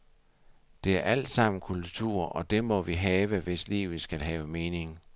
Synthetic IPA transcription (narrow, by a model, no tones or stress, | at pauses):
d̥e̝æɐʔæl̰d̥sɑ̈m̰n̩kʰult͡sʰuɐ̰ɒ̽d̥e̝mɒ̽ʋiɦɛːʋəʋe̝slḭːʊð̩ˠsɡ̥ælɦɛːʊəme̝ːne̝ŋ